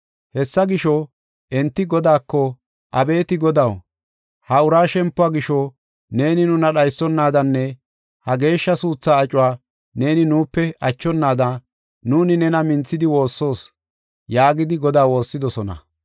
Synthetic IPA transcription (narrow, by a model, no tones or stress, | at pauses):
hɛsːɐɡɪʃɔ | ʔɛnt̪ːɪɡɔd̪aːkːɔ | ʔɐbe̞ːt̪ɪɡɔd̪ɐw | hɐʊɾaːʃɛmpːʊaːɡɪʃɔ | ne̞ːnɪnʊnɐɗɐjsːɔnːaːd̪ɐnːɛ | hɐɡe̞ːʃːɐsuːt͡sːaːt͡ʃʼʊwaː | ne̞ːnɪnuːpːɛʔɐt͡ʃːɔnːaːd̪ɐ | nuːnɪnɛnɐmɪnt͡sːɪd̪ɪwo̞ːsːo̞ːs | jaːɡɪd̪ɪɡɔd̪aːwo̞ːsːɪd̪ɔsɔnɐ̰